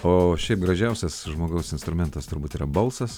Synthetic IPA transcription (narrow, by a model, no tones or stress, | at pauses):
oːʃʲɛɪpɡɾɐʒʲɛʊsʲɛsʒmoːɡɐʊsɪnst̪ɾʊmʲɛnt̪ɐst̪ʊɾbuːt̪iːɾɐbɐlˠsɐs